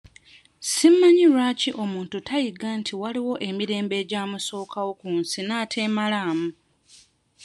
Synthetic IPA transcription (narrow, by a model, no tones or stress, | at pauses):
simːaɲiɾwaːciʔo̞muːntutajiɡantʰiwaliwo̞ʔe̞miɾe̞ːmbe̞ːɟaːmuso̞ːkʰawo̞kuːnsinaːtʰe̞ːmalaːmu